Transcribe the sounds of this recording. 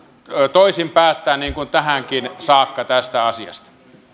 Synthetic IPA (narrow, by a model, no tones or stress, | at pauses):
t̪oisimpæːt̪ːæːnniːŋkunt̪æhæŋkinsɑːkːɑt̪æst̪æɑsiɑ̰st̪ɑ̥